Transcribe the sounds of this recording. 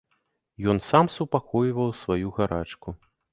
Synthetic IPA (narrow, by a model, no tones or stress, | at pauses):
jɔnsamsupakɔjvɐwsvajuɣaɾat͡ʂku